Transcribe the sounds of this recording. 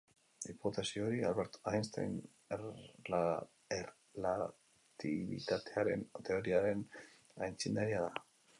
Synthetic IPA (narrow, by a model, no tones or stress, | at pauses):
ipot̪asio̞ɾia̰lβeɾt̪oajnst̪a̰jn | er | la | t̪iβḭt̪at̪e̞aɾe̞̰nt̪e̞oɾiaɾe̞n | ajnt͡sind̪aɾiaða